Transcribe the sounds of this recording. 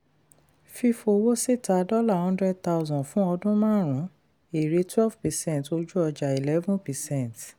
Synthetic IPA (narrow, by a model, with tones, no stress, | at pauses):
fi˧fo˧wo˦se˦˨ta˨dɔ˦la˦˨hɔ̃˦ndɾɛ˦d̚t̪a˦ʊzɔ̃˨fũ˦ɔ˧dũ˦mãː˦˨ɾ̃ũ˨˦ | e˨ɾe˨˧˦twɛ˦lvpɛ˨sɛ̃˦˨to˧d͡ʒu˦ɔ˧d͡ʒa˨i˨lɛ˦vũ˦pɛ˨sɛ̃˦˨t